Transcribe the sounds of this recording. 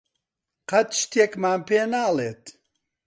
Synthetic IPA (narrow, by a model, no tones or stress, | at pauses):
qɐt̪ʃt̪ʰeːkmaːnpeːnaːleːt̪